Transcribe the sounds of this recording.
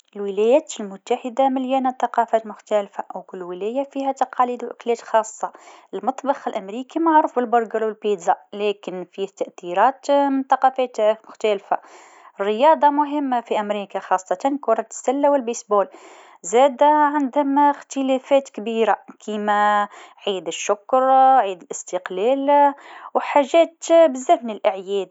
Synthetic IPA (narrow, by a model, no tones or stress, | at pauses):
əlwəlæjæt̪lmʊt̪ːaħəd̪aməljænæt̪ˤɑqɑfæt̪mʊxt̪ælfaʔwkʊlːwəlæjafihæt̪ɑqɑlid̪wʔə̰klæt̪xɑsˤːɑʔəlmɑt̪ˤbɑxəlʔəmɾikimaʕɾuːfbəlbʊɾˤɡəɾwəlpid̪zɑlækənfihæt̪ːaʔθiɾɑt̪mənt̪ˤɑqɑfæt̪mʊxt̪ælfa̰ | ərːəjɑːd̪ˤɑmʊɦɪmːafiʔæmɾiːkaxɑsˤːɑt̪ɑnkʊɾˤɑt̪sːælːawɪlbesboːl | zæːd̪aʕand̪ʊmxt̪əlæfæːt̪kbiːɾakʰiːmæʕiːd̪əʃːʊkɾʕiːd̪əlʔɪst̪əqlæːlwħaʒæːt̪bəzːæhnəlʔaʕjɛːd̪